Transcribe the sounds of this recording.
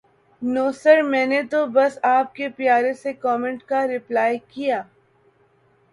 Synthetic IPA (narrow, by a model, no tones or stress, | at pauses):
noːsəɾmɛ̃ːnet̪obɐsaːp̚kepjaːɾesekɔːmɛ̃ɳʈkaɾɪplaːjkijaː